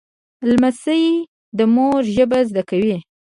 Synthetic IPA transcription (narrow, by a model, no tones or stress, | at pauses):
lmasəj | d̪əmoɾʒəbazd̪akawi